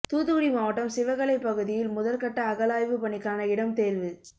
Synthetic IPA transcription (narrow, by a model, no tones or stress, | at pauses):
t̪uːðɯɣɯɽɪmaːʋɐʈːɐmsɪʋɐɣɐɭɐɪpːɐɣɯðɪjɪlmʊðɐlkɐʈːɐːɣɐlaːjʋɯpɐɳɪkːaːnɐɪɽɐmt̪eːlʋɯ